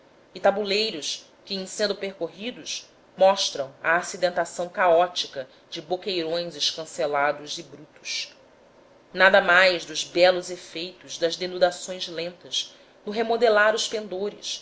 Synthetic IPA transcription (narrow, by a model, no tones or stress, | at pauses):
ɪt̪abulejɾʊʃ | kʲɪẽj̃sẽnd̪ʊpeɾkoɦid̪ʊʃ | mɔʃt̪ɾɐ̃w̃ɐ̰ːsid̪ẽnt̪asɐ̃w̃kaɔt͡ʃikɐ | d͡ʒɪbokejɾõj̃zɪʃkɐ̃selad̪ʊzɪbɾut̪u̥ʃ | nad̪ɐmajzd̪ʊzbɛlʊzefejt̪ʊzd̪ɐzd̪enud̪asõj̃zlẽnt̪ɐs | nʊɦemod̪elaɾʊspẽnd̪oɾɪ̰s